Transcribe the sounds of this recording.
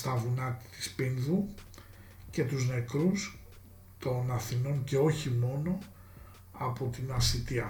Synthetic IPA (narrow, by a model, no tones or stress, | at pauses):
st̪ɐvunɐt̪it̪i̥spinðu | ce̞t̪uzne̞kɾus | t̪o̞nɐθino̞nce̞o̞çimo̞no̞ | ɐpo̞t̪inɐsit̪iɐ